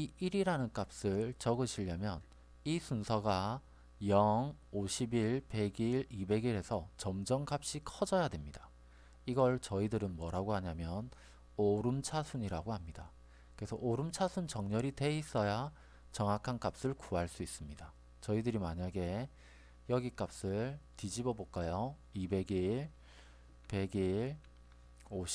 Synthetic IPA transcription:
iiɾiɾanɯnk͈ap̚s͈ɯɭt͡ɕʌɡɯɕʰiʎːamjʌn | isʰunsʰʌɡa | jʌŋoɕʰibiɭpe̞ɡiɭibe̞ɡiɾɦe̞sʰʌt͡ɕʌmd͡ʑʌŋk͈ap̚ɕ͈ikʰʌd͡ʑʌjadwemɲida | iɡʌɭt͡ɕʌidɯɾɯnmwʌɾaɡoɦaɲamjʌn | oɾɯmt͡ɕʰasʰuɲiɾaɡohamɲida | ke̞sʰʌʔoɾɯmt͡ɕʰasʰunt͡ɕʌŋɲʌɾite̞is͈ʌja | t͡ɕʌŋɦakʰank͈ap̚s͈ɯɭkuaɭs͈uis͈ɯmɲida | t͡ɕʌidɯɾimaɲaɡe̞ | jʌɡik͈ap̚s͈ɯɭtid͡ʑibʌbok͈ajʌ | ibe̞ɡiɭ | pe̞ɡiɭ | oɕ

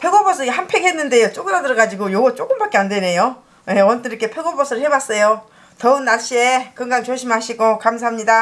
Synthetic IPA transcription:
pʰe̞ɡobos̬͈ʰɯɡihanpʰeɡɦe̞nːɯnde̞jot͡ɕ͈oɡɯɾadɯɾʌɡad͡ʑiɡojoɡʌt͡ɕ͈ok͈ɯmbak͈eandwe̞ne̞jo | je̞ʌnt͈ɯɾik͈ʰepʰe̞ɡobosʰɯɯɭhebas͈ʌjo | tʌɯnːaɭɕ͈iekɯŋɡant͡ɕoɕʰimɦaɕʰiɡokamsʰaɦamɲida

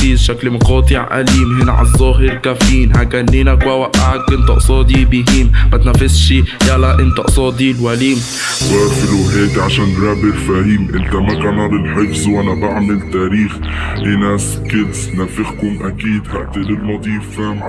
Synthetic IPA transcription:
izʃaklmɑqɑːt̪ˤɪʕʔa̰liːmhɪnʕa̰zˤːɑːɦɪɾkafiːnɦakːanːiːnakwawaʔaʕakʔɪnt̪ɑʔɑ̰sˤɑːd̪ibiɦiːmmat̪nafːɪsʃijalaʔɪnt̪ɑʔɑsˤɑːd̪ilwaliːm | wɑːɾfɪlwaɦeːt̪ʕaʃaːnɾaːbɪɾfaːhiːmʔɪnt̪amakænɑɾˤɪnħɪfzwʔanabaʕmɪlt̪aːɾiːxhɪnaskɪt̪snafɪxkʊmʔakiːd̪haʔt̪ɪlɪlmɑd̪ˤiːfa

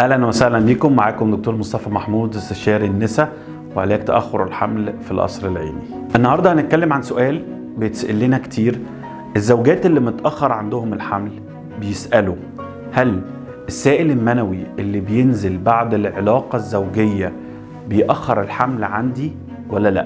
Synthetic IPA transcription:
ʔæhlænwæsæhlænbiːkomːaʕaːkomd̪ok̚t̪oːɾmost̪ɑfɑmaħmuːd̪est̪æʃæːɾinːesæ | wḛʕalæːk̚t̪æʔæ̰xːoɾelħa̰mlfilʔɑ̰sˤɾelʕḭːni | ʔenːɑhɑɾˤd̪ˤɑnet̪̚kælːemʕansoʔæːl | bejet̪sʔelːinækt̪ʰiːɾ | ʔezːæwɡæːt̪elːibenet̪ʔæxːɑɾˤʕand̪ohomelħaml | bejesʔælo | hæl | ʔesːæːʔelelmænæwiʔelːibejenzelbaʕd̪elʕelɑːqɑzːæwɡejːæ | bejʔæxːɑɾˤelħamlʕand̪i | wælːælæ̰ʔ

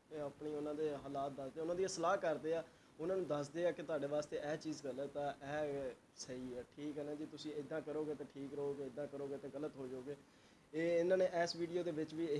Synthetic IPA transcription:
t̪eːapɳiːʊnãːd̪eːɦaːlaːt̪̚d̪əsd̪eːʊnãːd̪iəsəlaːkəɾd̪eːaː | ʊnãːnũːd̪əsd̪eːaːkɪt̪ʊaːɖeːʋaːst̪eːʔɛːt͡ʃiːzɡələt̪ːaɛ̃ʔɛː | səiːɛːʈʰiːkɦɛːnãːd͡ʒiːt̪ʊsĩːɪd̪ːãːkəɾoːɡeːt̪ẽːʈʰiːkɾəɦoːɡeːɪd̪ãːkəɾoːɡeːt̪ẽːɡələt̪ɦoːd͡ʒoːɡeː | eːɪnãːneːʔɛːsʋiːɖijoːd̪eːʋɪt͡ʃʋiː

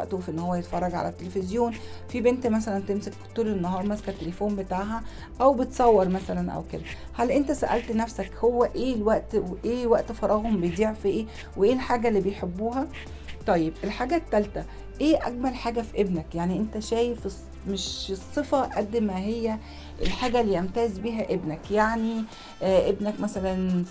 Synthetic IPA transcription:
æʔt̪ofʔenːhowːæjet̪fɑrˤːɑɡʕa̰læt̪ːelefezjoːnfibent̪mæs̬ælænt̪emsekt̪uːlenːoɦɑːɾˤmæskæt̪ːelefoːmbet̪aːʕɦæ | ʔæwbet̪sˤɑwːɑɾˤmæsælænʔæ̰wked̪æ | hælʔent̪æsæ̰ʔæ̰lt̪næfsækhowːæʔeːlwæʔt̪ʔeːwæʔt̪fɑɾˤɑːɣombejd̪iːʕfiʔeː | weʔeːlħaːɡælːiːbejħebːuːɦæ | t̪ˤɑjːebʔelħaːɡæːt̪ːælt̪æ | ʔeːʔæɡmælħaːɡæfiʔebnækjaʕniʔent̪æʃæːjefes | meʃesˤːefæʔæd̪ːmæɦejːæ | ʔelħaːɡælːiːʔæmt̪æːzbiːɦæʔebnækjaʕni | ʔebnækmæsælæn

